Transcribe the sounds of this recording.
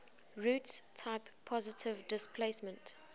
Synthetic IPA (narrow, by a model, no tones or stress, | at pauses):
ɹuːtstʰaɪpʰːɔzɪtʰɪvdɪspʰleɪsmə̃nt